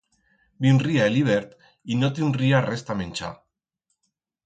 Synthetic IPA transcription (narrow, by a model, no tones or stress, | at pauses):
binriaeliβ̞eɾt̪ | inot̪inriarest̪amenʲt͡ʃa̰